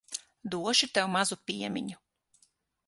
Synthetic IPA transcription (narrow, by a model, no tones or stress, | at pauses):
d̪uɔʃit̪ɛwmazupʲiɛmʲḭɲu